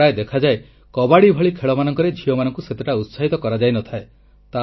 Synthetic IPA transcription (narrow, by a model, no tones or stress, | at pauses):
aed̪ekʰad͡ʒae | kɔbaɽibʱɔɭikʰeɭɔmanɔŋkɔɾed͡ʒʱijɔmanɔŋkuset̪eʈaut̪saɦit̪ɔkɔɾad͡ʒajnɔt̪ʰae | t̪a